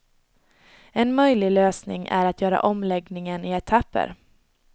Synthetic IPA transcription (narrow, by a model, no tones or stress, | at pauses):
ɛnmœjlɪløːsnɪ̰ŋʔæ̰ɾat̪ʰjœːɾa̰ʔɔmlɛɡnɪŋənɪɛt̪ʰapːə̰ɾ